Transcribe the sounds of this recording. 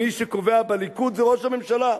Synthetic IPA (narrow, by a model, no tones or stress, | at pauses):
iʃeko̞veabelikut̪zeʁoʃhame̞mʃala